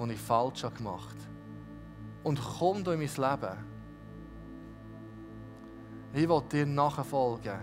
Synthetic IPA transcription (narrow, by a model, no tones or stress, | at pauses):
onifɑlt͡ʃhɑkmɑχt | ʊntχɔmdoːɪmislæb̥ə | ɪʋɔt̚d̥iːɾnɑχəfɔlɡ̥ə